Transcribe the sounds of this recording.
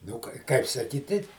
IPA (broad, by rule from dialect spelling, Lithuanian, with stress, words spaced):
nʊ ˈkɐɪ ˈkɐɪp sɐˈkʲiːˈtʲɪ